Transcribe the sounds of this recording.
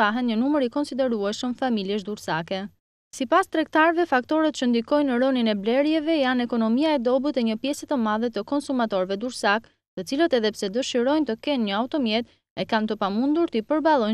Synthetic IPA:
aɦɛnɲənuməɾikɔnsid̪ɛɾuɛʃəmfamiljɛʃ̬d̪uɾsakɛ | sipast̪ɾɛk̚t̪aɾvɛfak̚t̪ɔɾɛt̪̚t͡ɕənd̪ikɔjnəɾɔninɛblɛɾjɛvɛjanɛkɔnɔmiaɛd̪ɔbut̪ɛɲəpjɛsɛt̪əmaðɛt̪əkɔnsumat̪ɔɾvɛd̪uɾsak | t̪ət͡silət̪ɛðɛpsɛd̪əʃiɾɔjnt̪əkɛnɲəaut̪ɔmjɛt̪ | ɛkant̪əpamund̪uɾt̪əipəɾbalˠɔj

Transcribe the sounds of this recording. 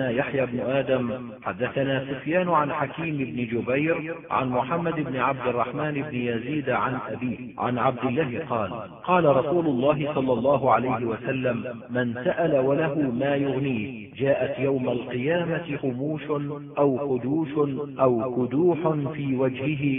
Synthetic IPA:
aːjaħjaːbnʊʔaːd̪am | ħad̪ːaθanaːsʊfjaːnʊʕanħakiːmɪbnɪd͡ʒʊbajɾʕa̰nmʊħamːad̪ɪbnɪʕab̚d̪ɪrˤːɑħmaːnɪbnɪjaziːd̪ʕa̰nʔabiːhʕa̰nʕab̚d̪ɪlːaːɦɪqɑːl | qɑːlaɾˤɑsuːlʊlˤːɑːɦɪsˤɑlːɑlˤːɑːɦʊʕalajɦɪwasalːamː | ansaʔalawalaɦʊmaːjʊɣniː | d͡ʒaːʔat̪jawmalqɨjaːmat̪ɪqʊmuːʃʊ | ʔawqʊd̪uːʃʊnʔawkʊd̪uːħʊnfiːwad͡ʒhɪɦɪ

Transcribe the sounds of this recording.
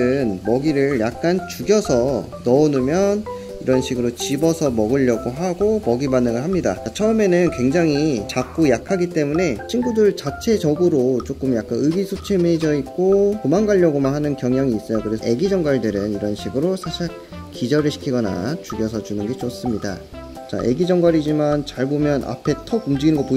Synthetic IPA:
ɯnmʌɡiɾɯɭjak̚k͈ant͡ɕuɡjʌsʰʌ | nʌonɯmjʌn | iɾʌnɕʰiɡɯɾot͡ɕibʌsʰʌmʌɡɯʎːʌɡoɦaɡomʌɡibanːɯŋɯɭɦamɲida̰at͡ɕʰʌɯme̞nɯnkwe̞ŋd͡ʑaŋit͡ɕak̚k͈ojakʰaɡit͈e̞mune̞t͡ɕʰinɡudɯɭt͡ɕat͡ɕʰe̞d͡ʑʌɡɯɾot͡ɕ͈ok͈ɯmjak͈anɯɡisʰot͡ɕʰemed͡ʑʌit̚k͈okomaŋɡaʎːʌɡomanɦanɯnkjʌŋjaŋiːs͈ʌjokɯɾe̞sʰʌe̞ɡid͡ʑʌŋɡwaɭdɯɾɯniɾʌnɕʰiɡɯɾosʰaɕʰi | kid͡ʑʌɾɯɭɕʰi̥kʰiɡʌna̰t͡ɕuɡjʌsʰʌt͡ɕunɯnɡe̞t͡ɕos͈ɯmɲida̰ | t͡ɕa̰ʔe̞̰ɡid͡ʑʌŋɡwaɾid͡ʑimant͡ɕaɭbomjʌnʔa̰pʰe̞tʰʌkumd͡ʑɯɡinɯnɡʌpo

